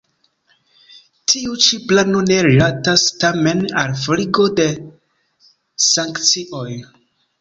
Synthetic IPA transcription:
tʰiut͡ʃiplanone̞ɾilatastame̞nalfɾiɡo̞de̞ | saŋkt͡siʔo̞j

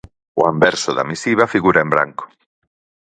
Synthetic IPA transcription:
oambɛɾsoða̰misiβ̞afiɣuɾaembɾa̰ŋko̥

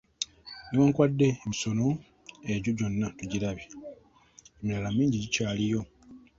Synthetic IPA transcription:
niwaːŋkwadːe̞ːmiso̞no̞ | eɟoɟo̞nːatuɟiɾaβje | emilalamiːɲɟiɟicaːlijo̞

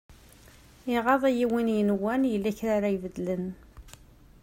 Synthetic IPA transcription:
ɪʁɑðˤæjiwinjənwænjəlːæçɾaɾajvəd̪ːlən

